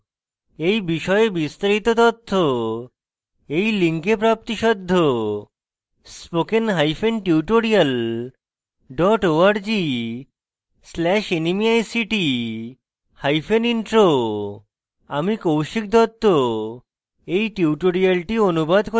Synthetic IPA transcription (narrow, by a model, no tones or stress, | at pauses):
ejbiʃɔebist̪aɾit̪ot̪ɔt̪ʰːo | ejliŋkepɾap̚t̪iʃɔd̪ʱːo | spokenɦajfʰenʈiuʈoɾial | ɖɔʈoaɾd͡ʑi | slɛʃenimiajsiʈi | hajfʰeniɳʈɾo | amikowʃik̚d̪ʱɔt̪ʰːo | ejʈuwʈoɾialʈionubad̪ko